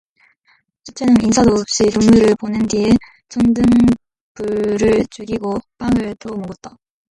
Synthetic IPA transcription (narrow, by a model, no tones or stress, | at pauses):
t͡ɕʰɯt͡ɕ͈ʰenɯninsʰadoːp̚ɕ͈itoŋɲuɾɯɭponɯndie | t͡ɕʰʌŋdɯŋ | puɾɯɭt͡ɕuɡiɡop͈aŋɯɭt͈ʰʌmoɡɯt̚t͈a